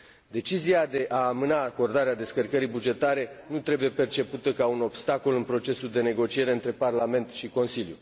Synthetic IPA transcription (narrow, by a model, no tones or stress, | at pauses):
d̪e̞t͡ʃiziad̪e̞ʔaːmɨnaːko̞rd̪aɾead̪e̞skərkəɾijbud͡ʒe̞t̪aɾe̞nut̪ɾe̞buje̞pe̞rt͡ʃe̞put̪əkauno̞bst̪ako̞lɨnpɾo̞t͡ʃe̞suld̪e̞ne̞ɡo̞t͡ʃie̞ɾe̞ɨnt̪ɾe̞parlame̞nt̪ʃiko̞nsiljṵ